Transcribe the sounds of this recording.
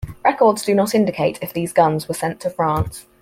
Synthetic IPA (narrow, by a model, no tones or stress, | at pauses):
ɹɛkɔːdz̥dənətɪ̃ndɪkʰeɪtʰɪfðiːzɡʌ̃nzwəsɛ̃ntʰəfɹɑ̃ˑns